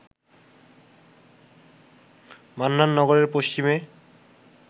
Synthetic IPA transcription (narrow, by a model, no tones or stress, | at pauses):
manːanːɔɡoɾeɾpoʃt͡ɕime